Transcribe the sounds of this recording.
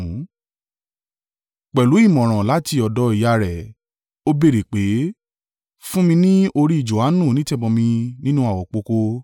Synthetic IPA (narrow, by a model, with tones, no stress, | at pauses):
k͡pɛ˨lu˨˦i˦˨mɔ̃˨ɾ̃ã˨la˨˦ti˧ɔ˨dɔ˨˧i˨ja˧ɾɛ˨ | o˦be˦˨ɾe˨k͡pe˨˦ | fũ˦mĩ˧nĩ˦o˧ɾi˦i˦˨d͡ʒo˨a˨˦nũ˦˨nĩ˦tɛ˦˨bɔ˧mĩ˧nĩ˦nũ˦a˦˨wɔ˨k͡po˧ko˧